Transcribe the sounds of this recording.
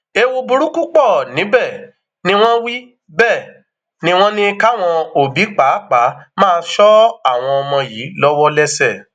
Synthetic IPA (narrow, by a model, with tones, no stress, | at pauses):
e˧wo˧bu˨˧ɾu˦ku˦k͡pɔ˦˨nĩ˨˦bɛ˦˨ | nĩ˦w̃ɔ̃˦wi˦ | bɛ˦˨ | nĩ˦w̃ɔ̃˦nĩ˦ka˦˨w̃ɔ̃˧o˨bi˨˦k͡pa˨˦k͡pa˨˦mãː˦˧nʃɔ˦a˦˨w̃ɔ̃˧ɔ˧mɔ̃˧ji˨˦lɔ˦wɔ˦lɛ˦sɛ˦˨